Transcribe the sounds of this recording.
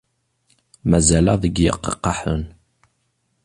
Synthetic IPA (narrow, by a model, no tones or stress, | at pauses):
mæzælæðˤəɡjə̰qːɑ̰qːɑħən